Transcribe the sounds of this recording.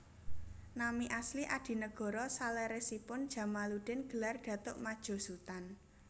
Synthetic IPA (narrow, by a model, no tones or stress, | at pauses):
namiʔasliʔad̥i̤nəɡ̥ɔ̤ɾɔsalɛɾesipʊnd̥ʒ̥ä̤maluɖ̥ɛ̤nɡ̥ə̤larɖ̥ä̤t̪ʊʔmad̥ʒ̥o̤sut̪an